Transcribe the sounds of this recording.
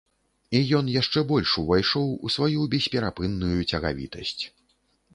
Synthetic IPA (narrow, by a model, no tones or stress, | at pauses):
ijɔnjaʂt͡ʂɛbɔlʲʂuvajʂɔwusvajubʲɛsʲpʲɛɾapɨnːujut͡sʲɐɣa̰vʲḭt̪ɐsʲt͡sʲ